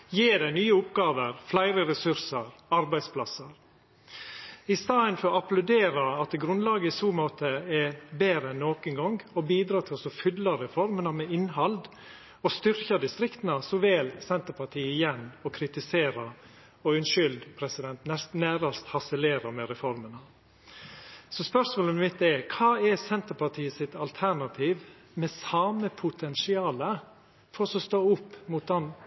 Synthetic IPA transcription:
jiːdæɪnyːəʊpɡɑːʋəɾflæɪɾəɾɛsʉɾsəɾɑɾbæɪd̪spʰlɑsəɾ | ɪst̪ɑːənfɔɾɔɑplʉd̪eːɾɑɑt̪̚ɛɡɾʉnd̪lɑːɡəɪsuːmoːt̪ʰəɛbeːɾəɛnːoːkənɡɔŋɡɔbiːd̪ɾɑːt̪ʰɪlɔsɔfʏd̪lɑɾɛfɔɾmənɑmɛɪnɦɑld̪ | ɔst̪ʏɾçɑd̪ɪst̪ɾɪkt̪ənɑsɔʋɛːlsɛnt̪əɾpʰɑʈʰiːəɪjɛnːɔkʰɾɪt̪ɪseːɾɑ | ɔʉnʃʏld̪pʰɾɛsɪd̪ɛnt̪nɛsnæːɾɑst̪hɑsɛleːɾɑmɛɾɛfɔɾmənɑ | sɔspœʂmoːlənmɪt̪̚ːɛkʰɑːɛɾsɛnt̪əɾpʰɑʈʰiːəsɪt̪ɑlt̪ʰæɾɳɑt̪ʰiːʋ | mɛsɑːməpʰʊt̪ʰɛnsɪɑːlə | fɔɾɔsɔst̪oːʊpːmut̪̚d̪ɛn

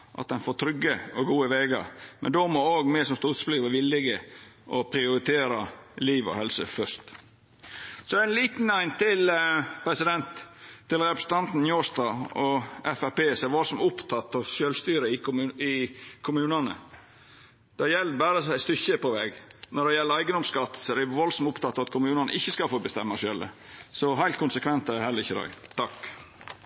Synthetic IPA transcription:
ʔɑ̰t̪̚d̪ɛnfoːt̪ʰɾʏɡːəɔɡuːəʋeːɡɑ̰ɾmɛnd̪omooːɡmɛsɔmst̪uːt̪sblyːʋəʋɪlːɪɡəʔɔpʰɾɪʊɾɪt̪ʰeːɾɑliːʋɔ̰hɛlsəfœʂt̪ | sɔæɪnliːt̪n̩æɪnt̪ʰɪlpʰɾɛsɪd̪ɛnt̪ʰːɪlɾɛpɾə̥sn̩t̪ʰɑnt̪n̩joːst̪ɑːɔʔɛfæpeːsɔɛʋɑlsɔmʊpt̪ʰɑt̪ːɑʋʃøːlst̪yːɾəɪɪkʰʊmʉːnɑnə̰ | d̪̥ɛjɛlːəbæːɾəsæɪst̪ʏçəpɔʋɛːɡnɔɖɛjɛlːəɾæɪɡənɔmskɑt̪ːsɔɾɛʋɑlsɔmʊpt̪ʰɑt̪ːɑʋɑt̪kʰʊmʉːnɑnə̰ʔɪçːəskɑfoːbəst̪ɛmːɑʃølə̰sɔɦæɪlt̪̚kʰʊnsəkʰʋɛnt̪æɛhɛlːəɾɪçːəd̪æ̰ɪt̪ʰɑk

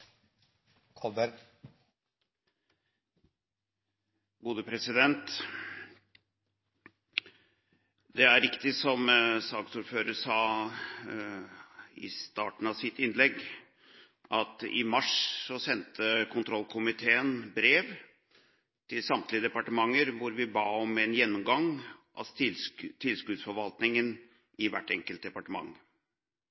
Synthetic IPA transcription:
kʰɔbəɾ | ɡuːd̪əpʰɾɛsɪd̪ɛnt̪ | d̪ɛæɾɪkt̪ɪsɔmsɑːɡsuːɾføːɾəsɑː | ɪ̰st̪ɑːʈn̩ɑʋsɪt̪ɪnlɛɡ | ʔɑt̪ɪ̰mɑʂsɔsɛnt̪ʰəkʰʊnt̪ʰɾɔlːkʰʊmɪt̪ʰeːənbɾeːʋ | t̪ʰɪlsɑmt̪ʰlɪəd̪ɛpɑʈəmɑŋːəɾʋʊɾʋɪbɑːɔmɛnjɛnːʊmɡɑŋʔɑ̰ | t̪ʰːɪlskʉd̪sfɔɾʋɑlt̪nɪŋən | ɪʋæʈːɛŋkəlt̪̚d̪ɛpɑʈəmɑ̰ŋː

